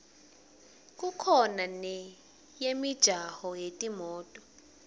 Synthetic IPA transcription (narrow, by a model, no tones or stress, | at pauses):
k̬ʼukʰɔnanɛ | jemid̥ʒ̥ʱahɔjetʼimɔːtʼɔ